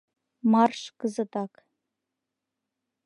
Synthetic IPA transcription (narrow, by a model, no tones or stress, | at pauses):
mɑrʃkɤzɤ̆t̪ɑk